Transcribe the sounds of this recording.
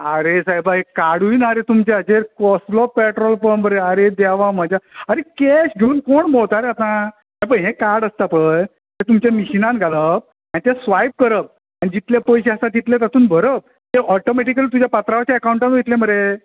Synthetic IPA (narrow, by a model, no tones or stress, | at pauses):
aɾesajbaɦekːaɽuinaɾet̪umt͡ɕeəd͡ʑeɾkɔslɔpɛʈɾɔlpəɳbəɾeaɾed̪aʋam̤əd͡ʑaaɾekeɕɡʱeuːnkoɳbowt̪aɾeat̪ã | ɦẽpəɳɦẽkaɾɽəst̪apəj | t̪et̪umt͡ɕãmiɕinãnɡʱaləp̚ | anit̪ẽsʋajp̚kəɾəp̚ | anid͡ʑit̪ljapəjɕeəsãt̪it̪let̪at̪uːnbʱəɾəp̚ | t̪eɔʈomeʈ̬ikəlit̪ud͡ʑjapat̪ɾaʋat͡ɕaəkauɳʈãnujet̪lẽməɾe